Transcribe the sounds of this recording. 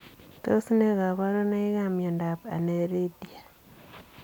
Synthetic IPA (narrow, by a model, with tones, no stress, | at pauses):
to˦si˦ne˦ɣa˨βa˦ɾo˦na˦i˦ɣa˦mjɔ˨nda˨pa̰˨ne˨ɾe˦di˦a˨